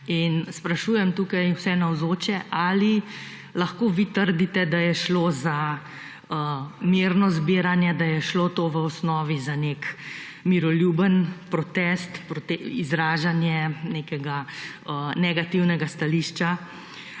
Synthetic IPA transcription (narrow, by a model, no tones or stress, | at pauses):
inspɾaʃuːjɛmt̪uːkajwsɛnawzoːt͡ʃɛʔali | laxkoːʋit̪əɾd̪it̪ɛd̪ajɛʃloːza | əmiːɾnɔzbiːɾanjɛd̪ajɛʃloːt̪oːʋəɔsnɔːʋizanek | miɾɔljuːbənpɾɔt̪ɛst̪pɾɔt̪ɛizɾaːʒanjɛneːkɛɡa | ənɛɡat̪iwnɛɡast̪aliʃt͡ʃa